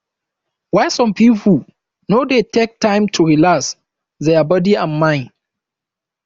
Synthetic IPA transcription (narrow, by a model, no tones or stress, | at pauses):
waɪsɔ̃mpipʰu | nodetʰek̚tʰãɪ̃mtʰuɹilas | deabɔdiãnmãɪ̃n